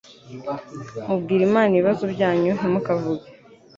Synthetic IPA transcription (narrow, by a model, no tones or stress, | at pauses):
mubɡiːɾimaːniβiβazubɟaːɲuɦimukavuɡa